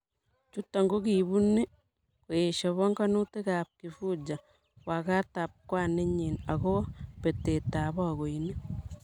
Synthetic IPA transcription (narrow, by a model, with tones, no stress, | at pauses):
t͡ʃu˦tːa˨ŋɡo˦ki˨βu˦ne˦ | ko˨e˨ʃa˨βɔ˦ŋka˦nu˦te˦ka˨p̚ki˨fu˦d͡ʒa˨ | wa˨ka˦ta˨p̚kwa˦˨ne˦ɲe˨na˨ko˦pe˨te˨ta˨βɔ˦a˨ɣo˨ine˦